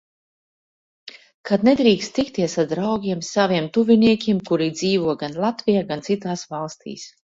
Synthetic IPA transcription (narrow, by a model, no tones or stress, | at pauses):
kad̪nɛd̪ɾiːkst̪t̪ikt̪iɛsad̪ɾawɡʲiɛmsaviɛmt̪uvʲiniɛkʲiɛmkuɾiːd̪ziːvuɔɡanlˠat̪vʲijaːɡant̪sit̪aːsvalˠst̪ḭːs